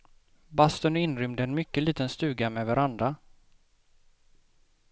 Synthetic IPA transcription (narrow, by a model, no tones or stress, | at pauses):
bast̪ɔnɪnɾʏmd̪əɛnmʏkːəliːt̪ənst̪ʉ̟ːɡamɛvaɾand̪ɾa